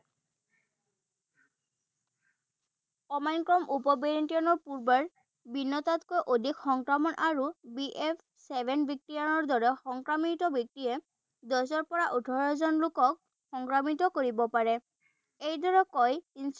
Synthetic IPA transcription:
ɔmankɹɔmʔupɔbeɹintiɔnɔɹpuɹbaɹ | binːɔtatkojʔodʱikxɔŋkɹamɔnʔaɹubiʔɛpʰ | sɛbʱɛnbʱik̚tianɔɹdɔɹɛxɔŋkɹamitɔbʱik̚tijɛ | dɔzɔɹpɔɹaʔudʰʱɔɹɔzɔnlukɔk̚ | xɔŋkɹamitɔkoɹibɔpaɹɛ | ejdɔɹɛkɔjins

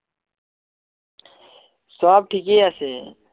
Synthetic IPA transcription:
saːb̚ʈʰikeːasḛː

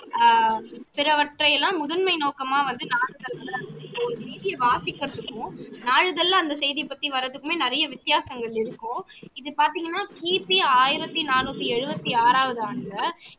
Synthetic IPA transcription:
pɪɾɐʋɐʈrɐjɛlːãːmʊðɐnmɐɪnoːkɐmaːʋɐnd̪ɯnaːɻɯðɐlɐlɐɔɾɯsɛːðɪjɐʋaːsɪkːɐɾɐt̪ːɯkːʊ̃naːɻɯðɐlːɐːnd̪ɐsɛjðipːɐt̪ːiʋɐɾɐðɯkːɯmeːnɐɾɐjɐʋɪt̪ːɪjaːsɐŋɡɐɭɪɾɯkːʊ̃ɪðɯpaːɾt̪iːŋɡɐnːaːkiːpiaːjɪɾɐt̪ːinaːnuːt̪ːiɛɻɯbɐt̪ːiaːɾaːʋɐðɯaːnɡɐ

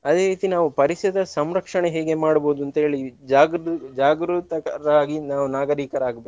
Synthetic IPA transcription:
ɐd̪eːɾiːt̪inaːʋupɐɾisɐd̪ɐsɐmɾɐkʂɐɳeɦeːɡe̞maːɽbo̞ːd̪uɐnt̪ɐɦe̞ːɭid͡ʒaːɡɾd͡ʒaːɡɾut̪ɐkɐɾaːɡinaːʋunaːɡɐɾiːkɐɾaːɡbeː

